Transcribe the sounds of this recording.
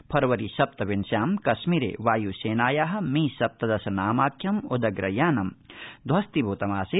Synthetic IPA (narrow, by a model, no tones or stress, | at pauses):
pʰɐɾɐʋɐɾiʃɐp̚t̪ɐʋinsjaːmkɐʃmiːɾḛːʋaːjuːseːnaːjaːɦɐ̆miːsɐp̚t̪ɐd̪ɐsɐnaːmaːkʰjɐmud̪ɐɡɾɐjaːnɐmd̪ʱʋɐst̪ibʱoːt̪ɐmaːse